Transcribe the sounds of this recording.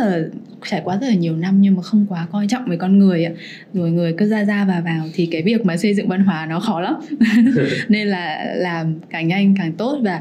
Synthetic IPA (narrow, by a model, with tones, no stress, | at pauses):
zəː˨˩ | t͡ɕaː˧˩jkwaː˧˦zə˦t̚la˨˩ɲi˨˩əwna˧mɲɨ˧ŋmaː˨˩xə˧wŋ͡mkwaː˨˦kɔ˧jt͡ɕɔ̰˧˨wŋ͡mvəː˨˦kɔ˧nŋɨ˨˩əjʔa̰ː˧˦ | zo˨˩jŋɨ˨˩əjkɨː˧˥zaː˧zaː˧vaː˨˩vaː˨˩wt̪ʰi˨˩kaː˨˦jvi˨˩ək̚maː˨˩sə˧jzɨ̰˧˨ŋva˧nɦwaː˨˦nɔ˨˦xɔ˨˦la˨˦m | ne˧nlaː˨˩laː˨˩mkaː˧˩ŋɲa˧jŋ̟kaː˨˩ŋt̪o˦˥t̚vaː˨˩